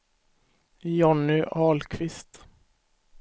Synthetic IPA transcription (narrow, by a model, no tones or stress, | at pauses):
jɔnːʏʔɑːlkʰvɪst̪